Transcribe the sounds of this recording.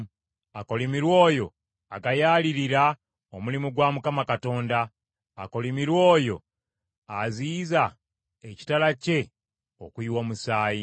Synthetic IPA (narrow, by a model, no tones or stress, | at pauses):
ako̞limiɾwo̞ːjo̞ | aɡajaːliɾiɾa | omulimuɡwaːmukamakato̞ːndaː | ko̞limiɾwo̞ːjo̞ | aziːza | eci̥talace̞ | okwiːwomusaːji